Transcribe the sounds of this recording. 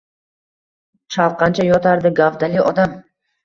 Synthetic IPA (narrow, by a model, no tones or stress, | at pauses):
t͡ʃʰalqɑnt͡ʃʰajɒt̪ʰaɾd̪ɪɡavd̪alɪɒd̪am